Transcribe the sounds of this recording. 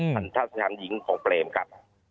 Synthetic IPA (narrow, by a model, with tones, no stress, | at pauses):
a˧˥˦nt̪ʰaː˦˥˩sa˧tʰaː˨˩˦nji˩˦ŋkʰɔː˩˦ŋpleː˧˩mkʰa˦˥p̚